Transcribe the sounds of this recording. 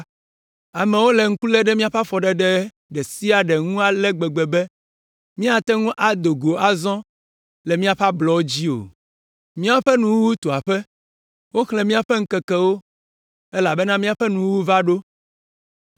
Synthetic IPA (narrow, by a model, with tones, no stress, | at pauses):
a˨mɛ̃˨wo˦lɛ˨ŋ̩˦ku˦lɛ˦ɖɛ˦mĩ˦a˦ɸa˦fɔ˨ɖɛ˦ɖɛ˦ | ɖɛ˨si˦a˨ɖɛ˨ŋũ˦a˨lɛ˦ɡ͡bɛ˨ɡ͡bɛ˨bɛ˦ | mĩ˦a˨t̪ɛ˦ŋũ˦ʔa˨d̪o˨ɡo˨ʔa˨zɔ̃˦ | lɛ˨mĩ˦a˨ɸa˦blɔ˨wo˦d͡ʑi˦o̰˨ | mĩ˦a˦ɸɛ˦nũ˨wu˦wu˦t̪o˨a˨ɸɛ˦ | wo˦xlɛ̃˨mĩ˦a˨ɸɛ˦ŋ̩˦kɛ˨kɛ˦wo˦ | ɛ˦la˨bɛ˦nã˦mĩ˦a˨ɸɛ˦nũ˨wu˦wu˦va˦ɖo˦